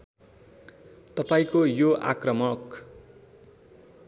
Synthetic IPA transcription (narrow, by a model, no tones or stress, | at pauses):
t̪ʌpaĩkojoʔa̰krʌmʌk